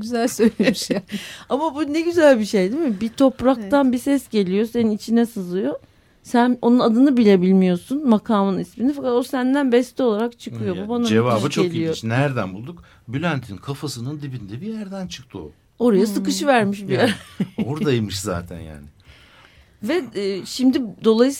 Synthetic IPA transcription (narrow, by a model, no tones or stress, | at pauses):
ɟyzælʲsølʲ | amabunɛɟyzælʲbiʃe̞jd̪imibit̪ʰo̞pɾak̚t̪ʰanbisɛsɟe̞lʲijo̞se̞ninit͡ʃʰinɛsɯzɯjo̞ | sæno̞nunad̪ɯnɯbilʲe̞bilʲmijo̞sunmakʰaːmɯnisminifakat̪o̞sænd̪ænbɛst̪ʰio̞lˠaɾakt͡ʃʰɯkʰɯjo̞bubanad͡ʒevaːbɯt͡ʃʰoelʲiij̪oit͡ʃnæɾd̪ænbulˠd̪uk̚ | bylʲænt̪ʰinkʰafasɯnɯnd̪ibind̪ɛbijæɾd̪ænt͡ʃʰɯ̥k̚t̪ʰṵ | o̞ɾajasɯkɯʃɯvæɾmiʃbijæɾoɾd̪ajimɯʃza̰ːt̪ʰæ̰nja̰ːnɪ | vɛʃimd̪id̪o̞lˠajɯs